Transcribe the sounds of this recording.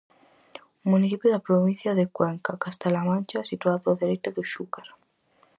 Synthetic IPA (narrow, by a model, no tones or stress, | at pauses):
umũniθipjoðapɾoβinθjaðekweŋkakast̪alamãnt͡ʃasit̪uaðoaðeɾejt̪aðuʃukaɾ